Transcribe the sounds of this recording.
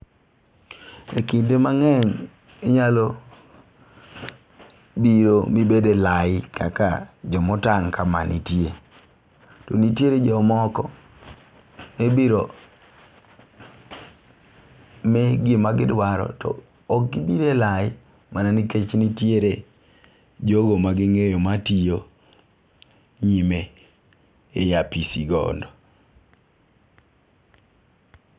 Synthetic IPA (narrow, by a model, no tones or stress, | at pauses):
ekindemaŋɛɲ | eɲalo | biɾomibedelaɪka̰ka̰d͡ʒɔmɔtaŋkama̰nitje | tɔnitjeɾed͡ʒɔmɔkɔ | mebiɾo | mɛɡɪmaɡɪdwaɾɔ̰tɔ̰ː | k̚ɡibiɾelaj | mananiket͡ʃnitjeɾe | d͡ʒoɡomaɡɪŋejomatio | ɲime | ejapisiɡɔ̰ndɔ